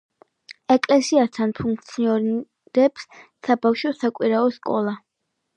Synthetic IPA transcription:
ɛkʼlɛsiast̪ʰanpʰuŋk̚ʰt̪sʰiɔɾ | ɾɛps | sabafʃɔsakʼwiɾaɔskʼɔlˠa

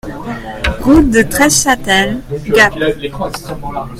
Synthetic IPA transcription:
ɡut̚d̪ət̪χɛʃat̪ɛlɡap

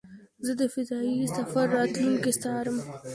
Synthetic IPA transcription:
zəd̪əfɪzɑisafaɾːɑt̪luŋkest̪ɑɾəm

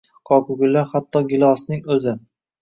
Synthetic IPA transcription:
qʰɒkʊɡʲɪlːaɾhat̪ːɒɡʲɪlˠɒsnɪŋɵzɪ

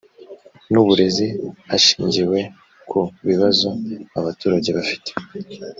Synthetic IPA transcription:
nuβuɾe̞ziaʃiːɲɟiwe̞ | kʰuβiβazo̞aβatuːɾaɟe̞βafi̥te̥

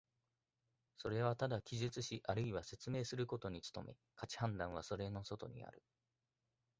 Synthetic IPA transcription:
so̞ɾe̞β̞at̪ad̪akʲiʑɨt͡sɨɕiʔaɾɯiβase̞t͡sɨme̞ːsɨɾɯ̟ko̞t̪o̞ɲ̟it͡sɨ̥t̪o̞̰mʔe̞ | kat͡ɕi̥hãnd̪ãɰ̃β̞aso̞ɾe̞no̞so̞t̪o̞ɲ̟ḭa̰ɾɯ̟

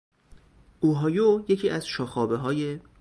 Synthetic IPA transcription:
ʔuːɦɒːjojecʰiːʔæz̥ʃɒːxɒːbeɦɒːje̞

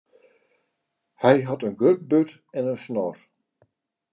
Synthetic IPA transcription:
hɛjɦɑtənɡrøp̚bøt | ɛnənsnɔr

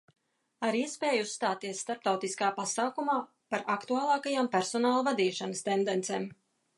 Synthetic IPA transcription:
aɾiɛspeːjusːt̪aːt̪iɛsːt̪aɾp̚t̪awt̪iskaːpasaːkumaː | paɾakt̪uaːlˠɑːkajaːmpʲæɾsɔnaːlˠuvad̪iːʃanəst̪end̪ent̪seːm

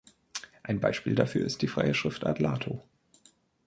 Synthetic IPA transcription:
ʔaɪnba̰ɪʃpiːldafyːɐɪstd̥iːfʁ̥a̰ɪəʃʁ̥ɪftʔa̰tla̰ːtʰo

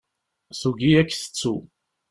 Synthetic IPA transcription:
suɡiækːθə̥t͡sːu

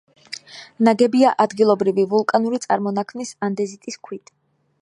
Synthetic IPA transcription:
naɡɛbiaʔad̪ɡilˠɔbɾivivulˠkʼanuɾit̪sʼaɾmɔnakʰmnisand̪ɛzit̪ʼiskʰwit̪ʰʼ

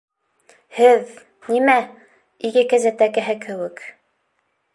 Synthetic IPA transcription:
hɘð | nimæ | iɡɘkæzæt̪ækɘ̆ɦɘkʰɘ̆wɘk

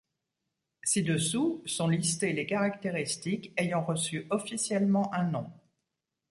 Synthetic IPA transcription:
sid̪əsusɔ̃list̪elekaʁakt̪eʁist̪ikejɑ̃ʁəsyʔɔfisjɛlmɑ̃ʔɛ̃nɔ̃

